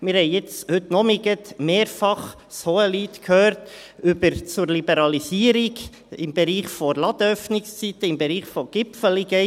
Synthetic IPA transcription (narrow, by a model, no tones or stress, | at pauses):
mɪɾhɛɪɪt͡shʉt̪nɔmiɡət̪meːɾfɑχ | shoəliːt̪kʰhøːɾtʏbəɾt͡sʊɾlibɛɾɑlisiːəɾiɡ | ɪmbɛɾiːχfɔɾlɑd̪œfnɪkst͡sit̪əɪmbɛɾiːχfɔɡ̥ɪpfəliɡɛ